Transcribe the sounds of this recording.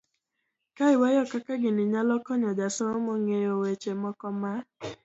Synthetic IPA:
kaɪwajɔkakaɡɪnɪɲalɔkɔɲɔd͡ʒasɔɔmoŋeowet͡ʃemɔkɔma

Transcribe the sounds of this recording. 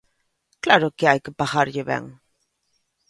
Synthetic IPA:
klaɾokeajkepaxaɾʎeβḛŋ

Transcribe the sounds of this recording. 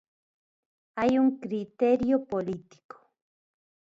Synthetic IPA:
ajʊŋkɾit̪eɾjopolit̪i̥ko̥

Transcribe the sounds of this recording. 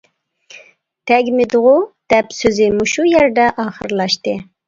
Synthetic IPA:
t̪ʰɛɡʲmɪd̪ʁʊd̪̥ɛpsøzɪmuʃujɛɾd̪ɛʔɑːχəɾlˠɑʃt̪ɨ

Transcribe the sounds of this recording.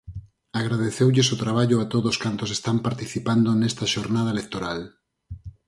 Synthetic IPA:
aɣɾað̞eθewʎesot̪ɾaβ̞aʎoat̪oðoskant̪osest̪ampaɾt̪iθipand̪onɛst̪ɐʃoɾnað̞ɐelek̚t̪oɾal

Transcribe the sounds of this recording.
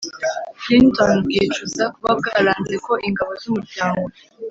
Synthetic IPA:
flintonbɡeːt͡ʃuzakuβab̚ɡaɾaːnzeko̞ʔiŋɡaβozumuɾɟaːŋɡo

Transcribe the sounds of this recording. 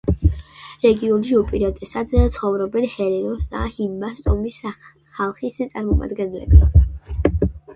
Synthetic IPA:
ɾɛɡiɔnʃiupʼiɾat̪ʼɛsad̪t̪sʰχɔvɾɔbɛnhɛɾɛnɔsd̪a̰himːast̪ʼɔmis | χalˠχist̪sʼaɾmɔma̰d̪ɡɛnlɛ̰bi

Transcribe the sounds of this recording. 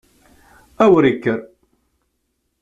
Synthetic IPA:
æwəɾikːəɾ

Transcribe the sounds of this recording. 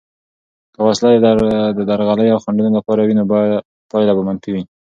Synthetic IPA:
kəwaslad̪d̪əd̪aɾɣaləjawxaɳɖunolapɑɾawino | pɑjlabamanfiwi

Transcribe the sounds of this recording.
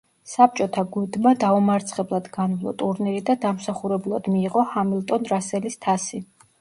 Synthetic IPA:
sap̚t͡ʃʼɔt̪ʰaɡud̪mad̪aumaɾt̪sʰχɛblˠad̪ɡanvlˠɔ̰t̪ʼuɾniɾid̪ad̪amsaχuɾɛbulˠad̪̥miːʁɔhamilˠt̪ʼɔnɾasɛlist̪ʰasi

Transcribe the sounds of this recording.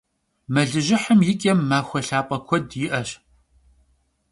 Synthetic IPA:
mɐɮɨʒɪħəmjɪkʲʼɐmːaːxʷɔɬaːpʼɐkʷʰɔdjɪʔɐɕ

